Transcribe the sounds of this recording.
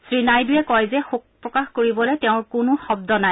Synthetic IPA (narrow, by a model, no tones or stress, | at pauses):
sɹinajduɛkɔjzɛxuk̚pɹɔkaxkoɹibɔlɛtɛʊ̃ɹkʊnʊxɔb̚dɔnaj